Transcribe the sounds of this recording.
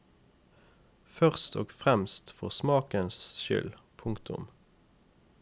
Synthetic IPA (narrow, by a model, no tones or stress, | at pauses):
fœʁst̪o̰ːɡfʁɛmst̪fɔʁsmɑːkənsʃʏ̰lpʰʊŋkt̪ʊ̰m